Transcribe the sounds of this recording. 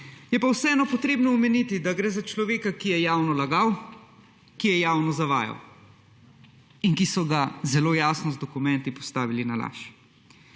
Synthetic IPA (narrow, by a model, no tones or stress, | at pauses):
jɛpawsɛɛːnɔpɔt̪ɾeːbnɔumɛnit̪id̪aɡɾɛːzat͡ʃlɔʋeːkakijɛjaːwnɔlaɡaw | kijɛjaːwnɔzaʋa̰ːja̰w | inkisɔɡazɛloːjaːsnɔzd̪ɔkumɛ̃nt̪ipɔst̪aːʋilinala̰ːʃ